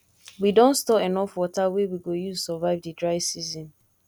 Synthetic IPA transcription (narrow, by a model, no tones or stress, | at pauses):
widõnstɔpenɔfwɔtawewiɡojusɔvaɪvdidɹaɪvsizɔ̃n